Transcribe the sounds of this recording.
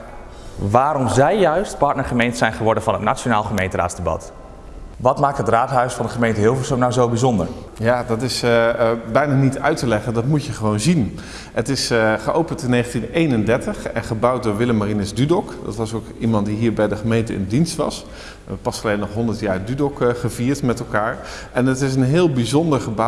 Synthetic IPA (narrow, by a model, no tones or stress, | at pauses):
ʋaːɾɔmzɛjjœɥstpɑɹtnəɹχəmejntəsɛjnχəʋɔɹdənvɑnɦətnat͡ʃonaːlˠχəmejntəɾa̰ːtzdəbɑ̰t | ʋɑtmaːk̚tɦətraːtɦœɥsfɑndəχəmejntəɦɪlˠfəsonawzowbizɔndə̰ɹ | jaːdɑtɪs | bɛjnaːnitœɥtəlɛχəndɑtmutjəχəʋownzin | ətɪsχəʔowpəntɪnːejχəntinejnəndɛɹtəχɛ̰nχəbʌwt̚dʊːɹʋɪləmarinɪzdydɔkdɑ̰tʋɑsowkimɑnt̚diɦiːɹbɛjdəχəmejntəɪ̰ndinstʋɑ̰s | pɑsɑlejnːɔχɦɔndəɹtjaːrdydɔkχəviːɹtmɛtɛlˠkaːɹ | ɛnətɪs̬ənɦɪːlˠbizɔndəɹχəbɑ